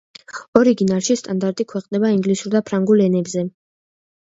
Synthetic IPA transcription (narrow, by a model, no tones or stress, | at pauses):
ɔɾiɡinaɾʃist̪ʼand̪aɾt̪ʼikʰwɛqʼnɛbaiŋɡlisuɾd̪apʰɾaŋɡulɛnɛbzɛ